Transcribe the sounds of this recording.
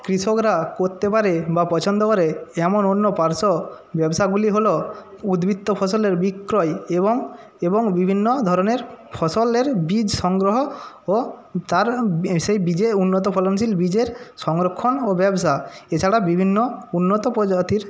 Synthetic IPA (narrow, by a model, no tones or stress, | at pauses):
kɾiʃokɾakoɾt̪epaɾebapɔt͡ɕʰɔnd̪ɔkɔɾeɛmononːopaɾso | bɛbsaɡuliɦolo | ud̪bʱit̪ːopʰɔsoleɾbikːɾɔjeboŋ | eboŋbibʱinːod̪ʱɔɾɔneɾpʰɔsoleɾbid͡ʑʃɔŋɡɾoɦo | ot̪aɾsejbid͡ʑeunːɔt̪̬ɔpʰɔlons̬ilbid͡ʑeɾʃɔŋɾokʰːonobɛbsaet͡ɕʰaɽabibʱinːounːot̪ɔpɔd͡ʑat̪iɾ